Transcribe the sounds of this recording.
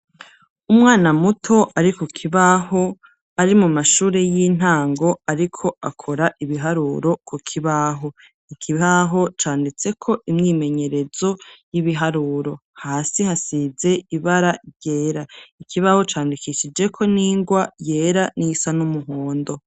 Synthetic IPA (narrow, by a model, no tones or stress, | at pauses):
umŋaːnamutʰo̞ʔaɾikokʰiβaho̞ | aɾimumaʃuːɾe̞jiːn̥aːŋɡo̞aɾikʰo̞akʰo̞ɾaʔiβiɦaɾuːɾo̞kʰokʰiβaɦo̞ | ikʰiβaɦo̞t͡ʃaːndit͡se̞kʰo̞ʔimŋiːme̞ɲe̞ɾe̞zo̞jiβiɦaɾuːɾo̞haːsihasize̞iβaɾaɾɟe̞ːɾaikʰiβaho̞t͡ʃaːndikiʃid͡ʒe̞kʰo̞niːŋɡwaje̞ːɾanisanumuɦoːndo̞